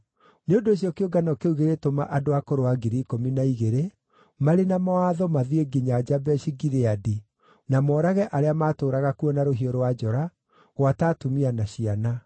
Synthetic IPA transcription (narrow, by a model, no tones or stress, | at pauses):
neondoːɕ̬jɔkeoɡanɔkeuɣeɾetomaʔadoakoɾoaɡiɾikominaiɣeɾe | maɾenamɔaðɔmaðieɡiɲad͡ʒabɛɕiɡiɾeadi | namɔːɾaɣɛʔaɾeamaːtoːɾaɣakuɔnaɾoɦiɔɾowad͡ʒɔɾa | ɣwataːtumianaɕiana